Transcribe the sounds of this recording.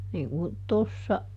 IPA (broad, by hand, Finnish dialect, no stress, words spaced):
niːŋ kun tosːɑ